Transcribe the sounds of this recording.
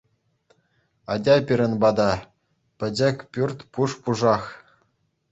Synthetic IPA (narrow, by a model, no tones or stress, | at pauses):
ɑdʲɑpʲiɾʲɘ̆nbɑd̪ɑ | pʲɘ̆d͡ʑɘ̆kʲpʲyrʲt̪ʲpuʂpuʐɑχ